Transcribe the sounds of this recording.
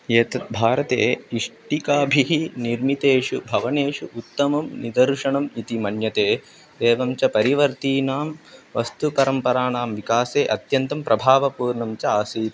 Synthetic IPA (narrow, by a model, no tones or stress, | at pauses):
jeːt̪ɐbʱaːɾɐt̪eːiʂʈikaːbʱiɦiniɾmit̪eːʂubʱɐʋɐneːʂuʔut̪ːɐmɐmnid̪ɐɾʂɐɳɐmit̪imɐɳjɐt̪eː | d̪eːʋɐmt͡ʃɐpɐɾiʋɐɾt̪iːnaːmʋɐst̪upɐɾɐmpɐɾaːɳaːmʋikaːseːʔɐt̪jɐnt̪ɐmpɾʔɐbʱaːʋɐpuːɾɳɐmt͡ʃɐaːsiːt̪